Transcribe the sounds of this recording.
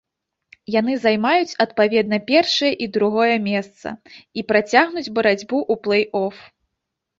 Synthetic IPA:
jan̪ɨzajmajut͡sʲɐt̪̚pavʲɛd̪̚nɐpʲɛrʂɐjɐʔid̪ɾuɣɔjɐmʲɛst̪sɐ̰ipɾat͡sʲaɣnud͡zʲbɐɾad͡zʲbuʔuplˠɛjɔf

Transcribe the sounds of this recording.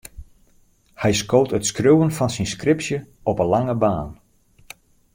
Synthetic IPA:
hɛjskoːwtətskrøwənfɑnsinskrɪpsjəɔpənlaŋəbaːn

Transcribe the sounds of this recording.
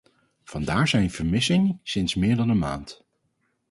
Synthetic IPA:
v̥ɑndaːɹzɛjnv̥əɹmɪsɪŋəsɪnsmɪːɹdɑnənma̰ːnt

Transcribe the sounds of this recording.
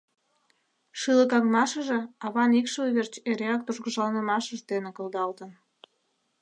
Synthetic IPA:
ʃɨləkɑŋmɑʃəʒeɑβɑnikʃəuβert͡ɕeɾeɑk̚t̪uʒɣəʒlɑnə̆mɑʃəʒd̪enekəld̪ɑlt̪ən

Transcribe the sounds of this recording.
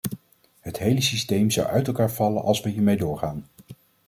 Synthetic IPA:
ɦətɦejləsistejmzɑ̰wœ̰ɥtɛlˠkaːɹv̥ɑlə̰nʔɑ̰lˠsʋəɦiːɹmejdʊːɹχaːn

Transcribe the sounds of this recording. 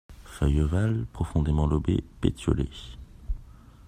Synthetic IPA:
fœjovalpχɔfɔ̃d̪emɑ̃lɔbepet̪jɔle

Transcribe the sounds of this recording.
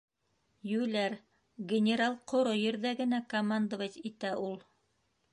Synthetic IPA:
jʉlæɾ | ɡʲɪnʲeɾalˠqŏɾojɘ̆ɾðæɡɘ̆nækomand̪əvɑtit̪æʔulˠ

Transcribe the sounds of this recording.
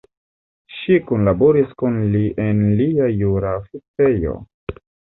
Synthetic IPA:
ʃikunlaboɾiskunliʔenliajuɾafit͡sejo̞̰

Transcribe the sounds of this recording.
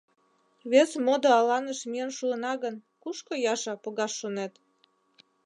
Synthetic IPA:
βesmod̪oɑlɑnəʃmiənʃuənɑɣən | kuʃkojɑʃɑpoɣɑʃːonet̪

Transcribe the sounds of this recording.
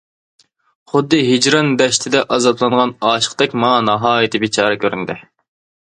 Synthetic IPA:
χʊd̪ːɨɦid͡ʒɾɑnd̪ɛʃt̪ʰɪd̪ɛʔɑzɑb̪lˠɑnʁɑnɑːʃə̥qt̪ɛkʲmɑŋɑnɑɦɑːjit̪ʰɪbit͡ʃʰɑːɾɨkʲʰøɾynd̪ɪ

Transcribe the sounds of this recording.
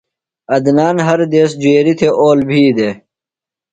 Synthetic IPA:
ɐd̪naːnɦɐɾd̪eːsd͡ʑueːɾit̪ʰeʔoːlbʱiːd̪eː

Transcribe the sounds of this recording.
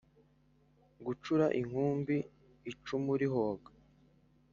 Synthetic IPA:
ɡut͡ʃuɾaʔiŋ̥huːmbiː | t͡ʃumuɾiɦoːɡa

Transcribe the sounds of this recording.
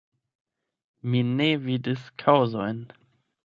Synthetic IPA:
minevidəskʰaʊzɔjn

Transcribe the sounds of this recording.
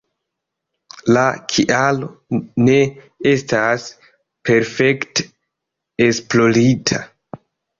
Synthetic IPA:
lakʰiʔalo̞ne̞ | e̞stas | pe̞ɾfe̞kte̥ | esplo̞ɾitʰa

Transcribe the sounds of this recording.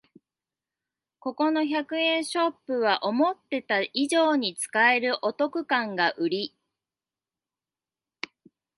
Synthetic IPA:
ko̞ko̞no̞çakɯ̟ẽ̞ɰ̃ɕo̞pːɯ̟β̞aʔo̞mo̞t̪ːe̞t̪aʔiʑo̞ːɲ̟it͡sɨ̥kae̞ɾɯ̟ʔo̞t̪o̞kɯ̟kãŋɡaʔɯ̟ɾʲi

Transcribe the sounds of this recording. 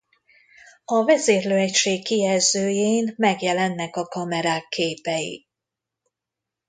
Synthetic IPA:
ɒvɛzeːrløːɛcʃeːkːijɛzøːjeːnmɛɡjɛlɛnːɛkɒkɒmɛɾaːkʰːeːpɛjḭ

